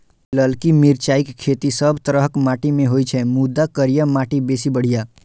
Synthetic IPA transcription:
ləlkimiɾt͡ʃaːɪkʰːeːt̪isəbt̪əɾəɦkmaːʈimẽɦojt͡ʃʰɛmud̪ːakəɾjəmaːʈibesibəɽ̤ijaː

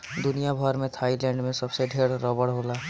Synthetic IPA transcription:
d̪ʊnijabʱəɾmẽt̪ʰaːilɛ̃ːɳɖmẽsɐbseɖʱeːɽɾɔːbəɽɦoːlaː

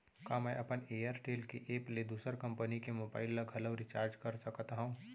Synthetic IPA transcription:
kaːmɛʔɐpəneːəɾʈeːlkeʔeːpled̪uːsəɾkɐ̃mpənikemoːbaːɪlːɐɡʱɐləʋɾit͡ʃaːɾd͡ʒkɐɾsɐkt̪aɦũː

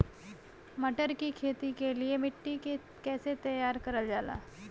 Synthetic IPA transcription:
mɐʈəɾkikʰeːt̪ikeliemɪʈːike | kɛːset̪ɐjaːɾkɐɾəld͡ʒaːla̰ː

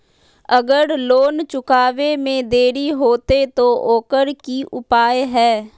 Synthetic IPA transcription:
əɡəɾloːnt͡ʃʊkaːʋemẽd̪eːɾiɦoːt̪et̪oʔoːkəɾkiʔʊpaːjɦɛː

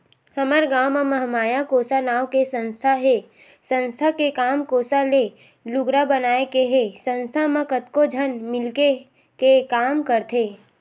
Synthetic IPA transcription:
həməɾɡaːwmamɐɦmaːjãkoːsanaːwkesə̃nst̪ʰaɦe | sə̃nst̪ʰakekaːmkoːsale | lʊɡɾabənaːekeɦesə̃nst̪ʰamə̃kət̪kod͡ʒʱənmɪlke | kekaːmkəɾt̪ʰeː

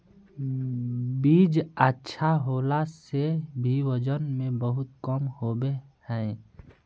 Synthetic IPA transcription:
biːd͡ʒətːʃʰaɦoːlasebʱiwəd͡ʒənmẽbəɦʊt̪̚kəmhobehɛ̃

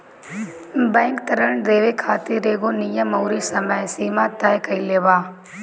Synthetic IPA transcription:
bɛ̃ːŋkt̪ɐɾəɳd̪eːʋekʰaːt̪iɾeːɡonijəmɐwɾisɐməjsiːmat̪ɐjkɐileːʋaː

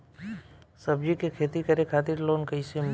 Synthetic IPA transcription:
səbd͡ʒikekʰeːt̪ikəɾekʰaːt̪ɪɾloːnkəisem

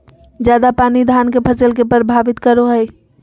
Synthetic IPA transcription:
d͡ʒjaːd̪apaːnid̪ʱaːnkepʰɐsəlk̬epəɾbʱaːʋɪt̪kəɾoɦɛi

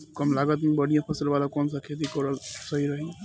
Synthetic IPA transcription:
kəmlaɡət̪mibəɽ̤ijãpʰəsəlʋalakɔːnsəkʰet̪̬ikɔɾəlsəɦiɾəɦĩ

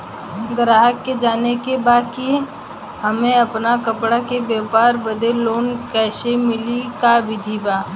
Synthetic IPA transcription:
ɡɾaːɦəkːed͡ʒaːnekebaːkie | hɐmẽɐpnakɐpɽakebjaːpaːɾbɐd̪eloːnkɛːsemɪlikabɪd̪ʱibaː

